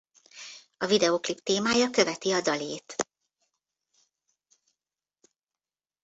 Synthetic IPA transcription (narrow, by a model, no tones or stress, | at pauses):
ɒvid̪ɛoːklipt̪eːmaːjɒkøvɛt̪iɒdɒleːt̪